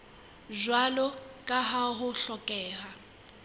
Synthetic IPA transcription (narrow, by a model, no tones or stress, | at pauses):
zwalɔkʼaɦaɦʊɬɔkʼɛːɦa